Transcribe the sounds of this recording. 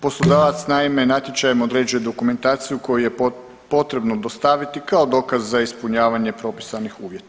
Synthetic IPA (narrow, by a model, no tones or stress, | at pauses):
po̞slˠod̪aːʋat̪snaime̞nat̪ʲje̞t͡ʃajemod̪ɾe̞ːd͡ʒuje̞d̪o̞kume̞nt̪aːt̪sijuko̞juje̞ | po̞t̪ɾe̞bnod̪o̞st̪aʋit̪ikao̞d̪o̞ːkazːaispuɲaːʋaɲe̞pɾo̞pi̥sanixuːʋje̞t̪ḁ